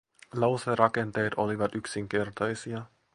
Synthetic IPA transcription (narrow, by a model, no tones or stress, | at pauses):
lɑwserɑke̞nt̪e̞ːt̪o̞liʋɑt̪yksiŋk̟e̞rt̪ɑjsiɑ